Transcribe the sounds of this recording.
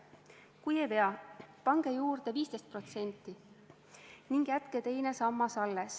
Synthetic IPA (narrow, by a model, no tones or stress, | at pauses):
kujejpe̞ɑpɑŋɡ̥e̞juːrd̪̥e̞viːst̪e̞jst̪̚pro̞t̪se̞nʲt̪ːˑi | niŋɡ̥jæt̪ket̪e̞jne̞sɑmːɑsɑlːes